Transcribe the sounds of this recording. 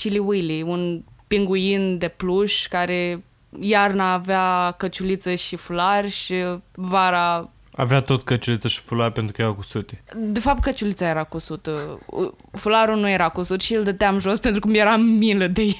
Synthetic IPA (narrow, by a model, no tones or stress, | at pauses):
t͡ʃiliwijliunpiŋɡujind̪e̞pluʃkaɾe | jarnaːveakət͡ʃulit̪səʃifularʲʃivaɾa | a̰veat̪o̞t̪kət͡ʃulit̪səʃi̥fulaɾʲpe̞nt̪ɾukəjeɾakusut̪ed̪e̞fap̚t̪̚kət͡ʃulit̪sajeɾakusut̪ə̰ | fulaɾunujeɾakusut̪ʃield̪ət̪eamʒo̞spent̪ɾukumjeɾamiləd̪ej